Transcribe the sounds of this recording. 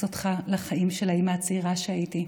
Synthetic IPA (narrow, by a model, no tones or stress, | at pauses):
ot̪χalaχaimʃelaimaat͡siʁaʃeaiti